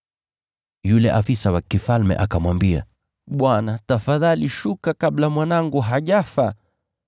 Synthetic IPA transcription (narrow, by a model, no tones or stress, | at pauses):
julɛʔafisawakifalmɛ̰ʔakamwambia̰ | ɓwanatafaðaliʃukakablamwanaŋɡuɦaʄafa